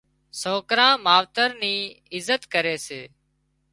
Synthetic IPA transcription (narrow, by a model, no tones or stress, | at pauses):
soːkɾãːmaːʋt̪əɾniː | ɪzət̪kəɾeːseː